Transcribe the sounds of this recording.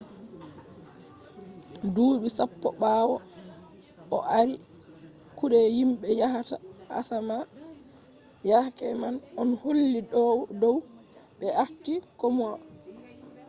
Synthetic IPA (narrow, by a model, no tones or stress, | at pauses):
duːɓisapːɔɓaːwɔ | ʔɔʔaɾi | kuɗɛjimɓɛjaɦataa̰sama | jahkɛmanʔɔnholːidɔwdɔw | ɓɛʔaftːikomua